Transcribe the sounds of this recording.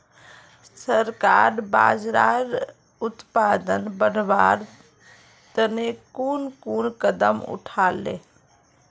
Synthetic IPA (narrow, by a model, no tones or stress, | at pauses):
səɾkaɾba̰d͡ʒɾaɾ | ut̪pad̪ənbənʋaɾ | t̪ənekunkunkəd̪əmṵʈʰalḛ